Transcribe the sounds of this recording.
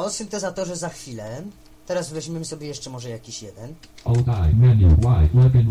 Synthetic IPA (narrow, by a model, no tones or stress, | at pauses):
ɔsɨnt̪ɛzat̪ɔʐɛzaxfʲilɛ | t̪ɛɾasvɛʑmʲjɛmsɔbʲjɛjɛʂt͡ʂɛmɔʐɛjakʲiɕjɛd̪ɛn | owdajmɛniwajwɛbɪn